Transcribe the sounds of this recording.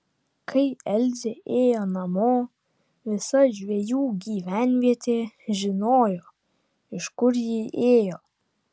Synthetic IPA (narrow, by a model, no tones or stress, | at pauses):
kʰɐɪɛlʲd͡zʲɪʔeːjoːnɐmoː | ʋʲɪsɐʒʲʋʲejuːɡʲiːʋʲænʲʋʲiɛt̪ʲʰeːʒʲɪnoːjoː | ɪʃkʊɾjiːʔeːjoː